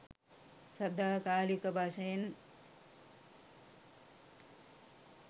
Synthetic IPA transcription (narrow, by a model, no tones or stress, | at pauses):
sɐd̪aːkaːlikɐbʱaʃejen